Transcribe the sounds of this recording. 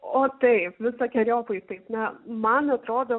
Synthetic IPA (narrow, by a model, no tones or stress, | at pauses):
oːt̪ɐɪpʋʲɪsɐːkʲɛɾʲoːpɐɪt̪ɐɪpnʲɛmɐnɐt̪ɾoːd̪oː